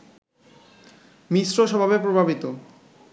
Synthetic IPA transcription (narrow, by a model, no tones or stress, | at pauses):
miʃɾoʃɔbʱabepɾobʱabit̪o